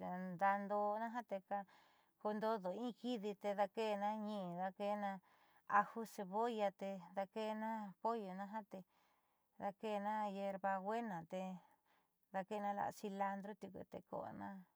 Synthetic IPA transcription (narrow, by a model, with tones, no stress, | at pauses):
d̪a˧nd̪o˧nã˦ɦã˦t̪e˧ka˧ | ko˧nd̪o˦ðo˨ĩ˦˧ki˦ði˧t̪e˧ða˧ke˦˧nã˦ɲĩ˧˨ða˧ke˦˧nã˧ | a˧hu˦se˧βo˦ja˧t̪e˧ða˧ke˦˧nã˦po˦jo˨nã˦ɦã˦t̪e˧ | ða˧ke˦˨˧nã˦je˧ɾβa˧ɣʷe˦nã˨t̪e˧ | ða˧ke˦˧nã˧la̰˧˨˧si˧la˧nd̪ɾo˦t̪u˧kṵ˧t̪ḛ˧ko̰˧ʔnã˦